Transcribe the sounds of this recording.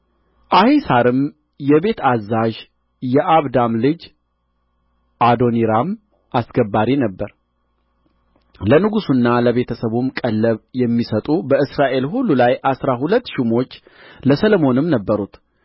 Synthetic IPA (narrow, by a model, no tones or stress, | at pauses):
ʔahisaɾɨm | jɛβe̞t̪ʰazːaʒ | jɛʔaβd̪amlɨd͡ʒ | ʔad̪o̞niɾam | ʔasɡəbːaɾinəbːəɾ | lənɨɡusunːaləβe̞t̪ʰəsəβumkʼəlːəβjɛmːisət̪ʼubəɨsɾaʔe̞lhulːulajʔasɾahulət̪ːʃimo̞t͡ʃː | ləsəlomo̞nɨmnəbːəɾut̪